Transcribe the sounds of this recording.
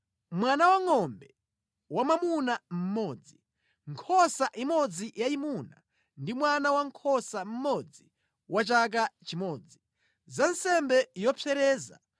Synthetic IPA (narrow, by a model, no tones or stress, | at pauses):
mwanawaŋɔmbɛ | wamamunam̩mɔːd͡zi | ŋkʰɔsaʔimɔd͡zijaimuna | ndimwanawaŋkʰɔsam̩mɔd͡zi | wat͡ʃak̬at͡ʃimɔːd͡zi | zansɛmbɛjɔpʰɛɾɛːza̰